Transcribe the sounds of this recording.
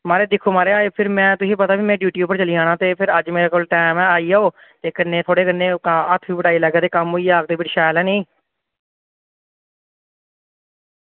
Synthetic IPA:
maːɾeːd̪ɪkʰːoːmaːɾeːaːepʰɪɾmɛ̃ːt̪ʊsĩːpət̪aːʋiːmɛ̃ːɖjuːʈjuːpəɾt͡ʃəliːãːɽ̃ãːt̪eːpʰɪɾəd͡ʒmeːɾeːkoːlʈɛːmɛːaːiːaːoː | t̪eːkənːẽːt̪ʰoːɽeːkənːẽːət̪ʰʋiːbəʈaːiːləɡaːt̪eːkəmɦoiːaːk̚d̪eːʋɪʈʃɛːlɛ̃ːnẽː

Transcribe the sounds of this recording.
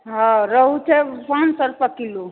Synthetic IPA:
ɦãɾəɦut͡ʃʰɛpansəɾpəkilu

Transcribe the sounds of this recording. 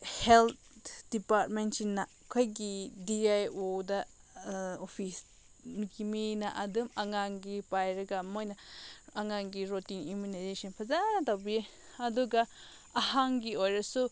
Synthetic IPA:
helt̚ | d̥ipaɾt̚ment͡ʃinːa | kʰojɡidiajoda | opʰis | nɡiminaʔɐdɯmaŋaŋɡipajɾɐɡamojnaaŋaŋɡiɾotiŋimunajzesɔnpʰɐzanɐtawbi | ɐduɡa | ɐhaŋɡiojɾɐsu

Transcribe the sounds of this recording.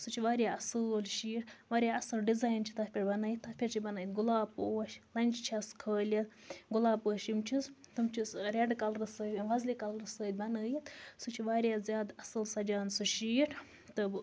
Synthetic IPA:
sut͡ʃʰiʋaːɾjaːɐsɨllʃiːʈʋaːɾʲjaɐsɨlɖizaːjnt͡ʃʰi̥t̪ɐtpʰʲiʈbɐnaːjit̪ːɐpʰʲiɾt͡ʃʰibɐnɐːjt̪ɡulaːpoːɐʃlɐnʲt͡ʃt͡ʃʰɐskʰəːlʲɐt̪ | ɡulaːpəːʃimt͡ʃʰist̪ɨmt͡ʃʰisɾʲeɖkɐlɾɨsəːʋɐzlikɐlɾɨsəːd̪̚ʲbɐnəːjit̪sut͡ʃʰiʋaːɾʲjaːzʲjaːd̪ɐsɨlsɐd͡ʒaːnsuʃiːʈ | t̪ɨb

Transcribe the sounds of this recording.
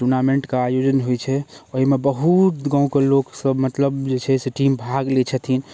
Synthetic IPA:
ʈuɾnamẽɳʈkaajod͡ʒənɦojt͡ʃʰɛoɦimebəɦut̪ɡãũkeloksəbmət̪ləbd͡ʒet͡ʃʰɛseʈimbʱaɡlet͡ʃʰət̪ʰin

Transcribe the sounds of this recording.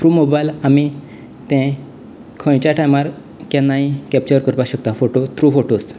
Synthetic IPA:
t̪ɾumobajlami | t̪ɛ̃ | kʰɔ̃jt͡ɕaʈʰajmaɾ | kɛ̃nːaĩkɛp̚t͡ɕəɾkəɾpaɕək̚t̪ãfoʈot̪ɾufoʈos

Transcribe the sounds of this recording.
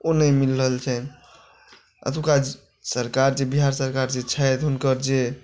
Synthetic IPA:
onəmilɾəɦəlt͡ʃʰɛ | ə̰t̪ʰuka | səɾkaɾd͡ʒebiɦaɾsəɾkaɾd͡ʒet͡ʃʰəjt̪ɦunkəɾd͡ʒe

